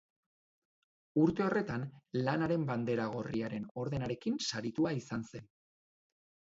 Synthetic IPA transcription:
uɾt̪e̞o̞re̞t̪anlanaɾe̞mband̪e̞ɾaɣ̞o̞riaɾe̞no̞ɾðe̞naɾe̞kinsaɾit̪uaisanse̞n

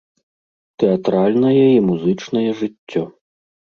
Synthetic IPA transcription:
t̪ɛat̪ɾalʲnɐjɛimuzɨt͡ʂnɐjɛʐɨt͡sʲːɔ

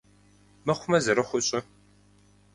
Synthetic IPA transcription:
mɐχʷʊmɐzɐɾɐxʷʊɕʼɪ

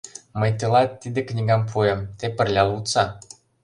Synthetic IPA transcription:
məjt̪ɤlˠɑt̪ːid̪ĕknʲiɡɑmpʰuemt̪epə̆rlʲɑut̪t͡sɑ

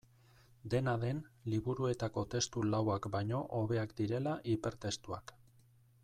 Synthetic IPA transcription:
d̪e̞naðe̞nliβuɾue̞t̪ako̞t̪e̞st̪ulawakbajɲo̞ʔoβe̞akd̪iɾe̞laʔipe̞ɾt̪e̞st̪ua̰k

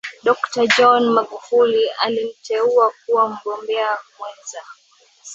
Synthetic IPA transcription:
ɗɔktad͡ʒɔnmaɠufulia̰lim̩tʰɛuak̚uwam̩ɠɔmbɛakwɛnza

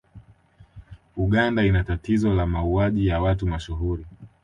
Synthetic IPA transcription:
uɠandainatatizɔlamauaʄijawatumaʃuɦuɾi

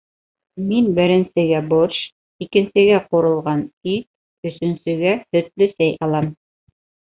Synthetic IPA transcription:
minbɘ̆ɾɘ̆nsɘ̆ɡæboʃ | ikɘ̆nsɘ̆ɡæquɾɤ̆lˠʁɑnit̪̚ | ɵ̆sɵ̆nsɵ̆ɡæhɵ̆t̪lɵsæjʔɑlˠɑm

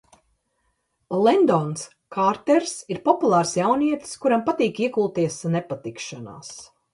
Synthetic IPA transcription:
lˠɛnd̪ɔns | kʰaɾt̪ɛɾsiɾpɔpulˠaːɾsjawniɛt̪skuɾampat̪iːkiɛkulˠt̪iɛsnɛpat̪ikʃana̰ːs

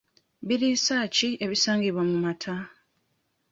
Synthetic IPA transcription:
biɾisaːcie̞βisaːŋɡiβwamumatʰa

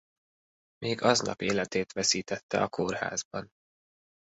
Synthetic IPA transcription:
mʔeːɡɒznɒ̰peːlɛt̪eːt̪ʋɛsiːt̪ɛt̪ːɛɒkʰorha̰ːzbɒn

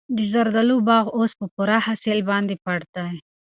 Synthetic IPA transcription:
d̪əzaɾd̪alubɑɣospəpuɾahaselbɑnd̪epaɽt̪aj

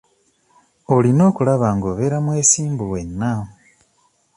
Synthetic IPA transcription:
o̞lino̞ːkulaβaːŋɡo̞ːβe̞ɾamweːsiːmbuwe̞nːa

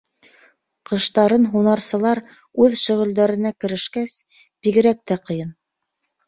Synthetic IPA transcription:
qɤ̆ʃt̪ɑɾɤnɦunɑɾsɤ̆lˠɑɾ | ʉðʃɵ̆ʁɘ̆ld̪æɾɘ̆nækɘ̆ɾɘ̆ʃkæs | b̥iɡɘ̆ɾæk̚t̪æqɤ̆jɤn

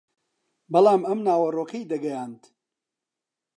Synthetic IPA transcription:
bɐlˠaːmɐmnaːwɐroːkʰɐjd̪ɐɡɐjaːnt̪

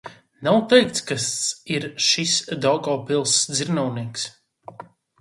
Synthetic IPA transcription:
nawt̪ɛjk̚t̪skasiɾʃisd̪ɔwɡɔːpilˠsd̪ziɾnɔwniɛks

